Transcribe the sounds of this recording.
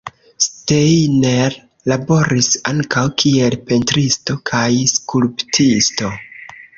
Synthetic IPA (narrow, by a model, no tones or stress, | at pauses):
stejneɾ | labo̞ɾisaŋkawkʰie̞lpe̞ntɾisto̞kʰajskulptʰisto̞